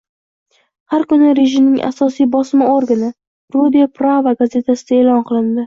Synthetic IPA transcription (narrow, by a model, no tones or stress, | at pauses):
haɾkʊnɪɾe̞ʒɪmnɪŋʔa̰sɒsijbɒsɪmɪoɾɡanɪ | ɾud̪ipɾavaɡaze̞t̪ʰasɪd̪aeːlɒnqʰɨlˠɪnd̪ɪ